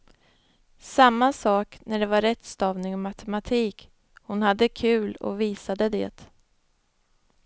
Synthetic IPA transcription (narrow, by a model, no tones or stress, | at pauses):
samːasɑːknæɖɛvaɾɛt̪ːst̪ɑːvnɪŋɔmat̪ʰɛmat̪ʰiːk | hʊnhad̪ːəkʰʉ̟ːlɔ̰viːsad̪əd̪ɛ̰ːt̪